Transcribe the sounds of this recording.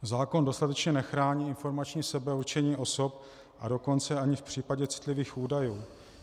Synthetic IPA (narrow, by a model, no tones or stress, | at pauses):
zaːko̞ndo̞st̪at̪ɛt͡ʃɲɛnɛxɾaːɲiːɪnfo̞ɾmat͡ʃɲiːsɛbɛuɾt͡ʃɛɲiːʔo̞so̞p̚ | ʔado̞ko̞nt͡sɛaɲɪfpr̝̥iːpaɟɛt͡sɪ̥t̪lɪviːxʔuːdajuː